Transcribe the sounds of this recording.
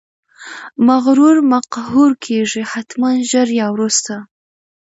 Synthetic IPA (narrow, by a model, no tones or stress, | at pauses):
maɣɾuɾmaqhuɾkʰeʐihat̪manʒəɾjɑwɾust̪a